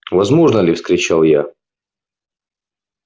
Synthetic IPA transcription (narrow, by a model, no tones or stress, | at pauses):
vɐzmo̞ʐnəlʲɪfskɾʲɪt͡ɕalˠja